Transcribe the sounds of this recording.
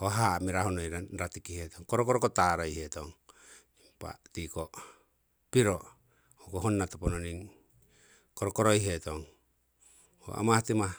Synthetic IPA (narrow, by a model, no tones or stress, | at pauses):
hoɦamiɾahonojɾaɾatikihetoŋkoɾokoɾokotaɾojhetoŋ | impa̰tiko | piɾo | hokoɦonːat̪opononiŋ | koɾokoɾojɦetoŋ | ho̰a̰mahatima